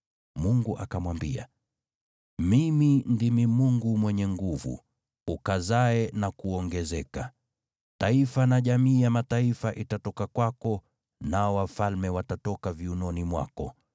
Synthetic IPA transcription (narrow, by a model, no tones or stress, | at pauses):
muŋɡuʔa̰kamwambḭa̰ | mimindimimuŋɡumwɛɲɛŋɡuvṵ | ukazaɛnakuɔŋɡɛzɛka | taifanaʄamiːjamataifaʔitatɔkakwakɔ | naɔwafalmɛwatatɔkaviunɔnimwa̰kɔ